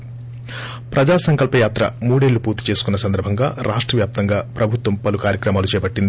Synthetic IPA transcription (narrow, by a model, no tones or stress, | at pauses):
pɾɐd͡ʒaːsɐŋkɐlpɐjaːt̪ɾɐ̰muːɽeːlːupuːɾt̪i̥t͡ʃe̞ːsu̥kunːɐsɐnd̪ɐɾbʱɐŋɡa̰ːɾʔaːʂʈɾɐʋjaːp̚t̪ɐŋɡaːpɾɐbʱut̪ʋɐmpɐlukaːɾjɐkɾɐmaːlut͡ʃɛːpɐʈːind̪i